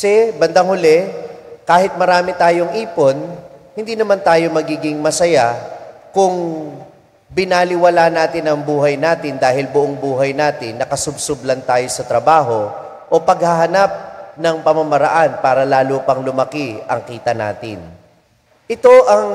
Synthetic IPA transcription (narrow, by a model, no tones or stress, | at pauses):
sɛbɐnd̪ɐŋhʊlɛkaːhɪt̪̚mɐɾaːmɪt̪aːjo̞ŋʔiːpo̞nhɪnd̪iːnɐmant̪aːjo̞mɐɡiːɡɪŋmɐsɐjakʊŋ | bɪnaːlɪwɐlaːnaːt̪ɪnɐŋbuːɦɐjnaːt̪ɪnd̪aːhɪlbʊʔoŋbuːɦɐjnaːt̪ɪnːɐkɐsʊbsʊblɐnt̪aːjo̞sɐt̪ɾɐbaːɦo̞ | ʔopɐɡ̚hɐɦɐnap̚nɐŋpɐmɐmɐɾɐ̰ʔanpaːɾɐlaːlopɐŋlʊmɐkɪʔɐ̰ŋkiːt̪ɐna̰ːt̪ɪ̰n | ʔɪt̪o̞ʔɐŋ